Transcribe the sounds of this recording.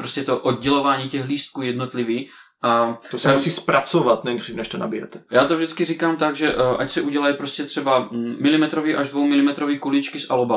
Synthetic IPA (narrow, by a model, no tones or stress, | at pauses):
pɾoscɛt̪oʔod̪̚ɟɛlovaːɲiːcɛɣliːst̪̚kuːjɛd̪not̪liviː | ʔat̪osɛmusiːspɾat͡sovat̪nɛd̪riːfnɛʃt̪ona̰bijɛ̰t̪ɛ̥jaːt̪ovʒdɪt͡skiriːkaːmt̪aɡʒɛʔʔacsɛʔuɟɛlajpɾoscɛt̪r̥ɛbamɪlɪmɛt̪ɾoviːʔaʒd̪vowmɪlɪmɛt̪ɾoviːkulit͡ʃkɪsʔaloba